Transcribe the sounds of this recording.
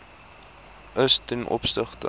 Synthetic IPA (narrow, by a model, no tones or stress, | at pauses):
ʔəstɛnʔɔ̰pstəχtə̰